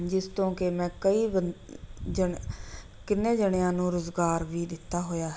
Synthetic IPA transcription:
d͡ʒɪst̪õːkemɛ̃ːkəiːb | d͡ʒə | kɪnːẽːd͡ʒəɳjãːnũːɾʊzɡaːɾʋiːd̪ɪt̪ːaːɦoːjaːɦ

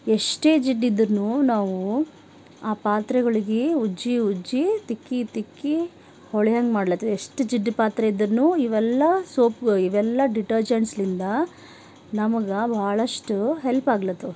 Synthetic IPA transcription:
eʂʈe̞ːd͡ʒiɖːid̪ːɐɾnuːnaːʋu | aːpaːt̪ɾɐɡɐɭiɡeud͡ʒːiud͡ʒːit̪ikːit̪ikːi | hɔɭijɐŋɡmaːɖlɐt̪ːueʂʈud͡ʒiɖːpaːt̪ɾɐid̪ːɐɾnuːiʋɛlːɐsoːpɡɐɭiʋɛlːɐɖiʈɐɾd͡ʒɐnslind̪ɐ | nɐmɐɡɐbʱaːɭɐʂʈuɦelpaːɡlɐt̪ːu

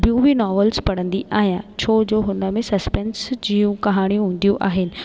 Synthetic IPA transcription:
bijũːbinɔːʋəlzpɐɽə̃nd̪iʔaːɦijãːt͡ɕʰoːd͡ʑoːɦʊnəmẽsɐspɛnsd͡ʑiːjũkɐɦaːɽ̃ijũɦũːn̆d̪ijũʔaːɦɪnɪ̆

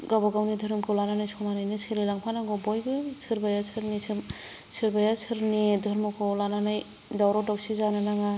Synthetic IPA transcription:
ɡabɔɡawnidʱɯɾɯmkʰɯwlananajsʰɔmanajnɯsʰɯɾilaŋpʰanaŋɡɔbɔjɡɯsʰɯɾbajasʰɯɾnisɯm | sɯɾbajasʰɯɾnidʱɔɾmɔkʰɯlananaj | dawɾɔdɔwsizanɯnaŋa

